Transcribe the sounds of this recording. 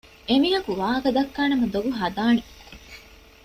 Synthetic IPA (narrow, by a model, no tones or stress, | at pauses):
emijɐkuʋaːɐɡɐd̪ɐkːaːnɐmɐd̪oɡuɦɐd̪aːne